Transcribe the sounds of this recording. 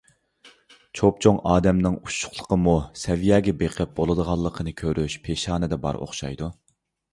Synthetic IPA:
t͡ʃʰop̚t͡ʃʰoŋɑːd̪ɛmnɪŋuʃːʊ̥χlˠə̥qʰəmusɛvijɛːɡʲɛbeqʰɪp̚bolˠɨd̪əʁɑlˠːəqʰənɨkʲʰøɾʔyʃpʰeʃɑːnɨd̪ɛbɑ̰ɾo̰χʃɑ̰jd̪u

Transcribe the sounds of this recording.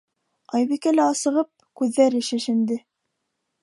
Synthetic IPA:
ɑjβikælæɑsɤ̆ʁɤp̚kʉðːæɾɘ̆ʃɘ̆ʃɘ̆nd̪ɘ

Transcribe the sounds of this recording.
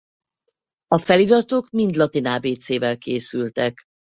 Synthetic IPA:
ɒfɛliɾɒt̪oːkmind̪lɒt̪inaːbeːt̪seːvɛlkeːsylt̪ɛk

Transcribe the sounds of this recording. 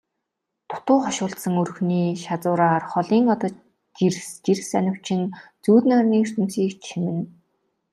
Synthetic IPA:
t̪ʰʊ̥t̪ʊːχɔʃʊːɬt̪sə̆ŋɵrxniːʃat͡sʊːɾaːrχɔɮiːŋɔt̪ɔː | t͡ɕirst͡ɕirsænʲɪ̆w̥t͡ɕʰɪ̆nt͡suːt̪nœrniːr̥t̪ʰɵ̆msiːkt͡ɕʰimɘ̆n

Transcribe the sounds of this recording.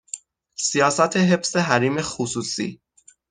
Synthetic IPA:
sijɒːsæt̪ʰeɦe̞fseɦæɾiːme̞xusuːsḭː

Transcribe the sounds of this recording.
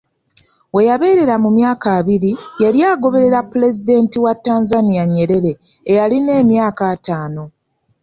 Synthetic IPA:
we̞jaβe̞ːɾe̞ɾamumjaːkaːβiɾijeɾjaːɡo̞βe̞ɾe̞ɾapːule̞zide̞ntiwatːaːnzanijaɲːe̞ɾe̞ɾe̞ː | jaline̞ːmjaːkaːtaːno̞

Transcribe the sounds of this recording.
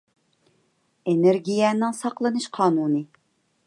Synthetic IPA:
eneɾɡʲijɛnɪŋsɑqlˠɨnɨʃqʰɑːnuːnɨ

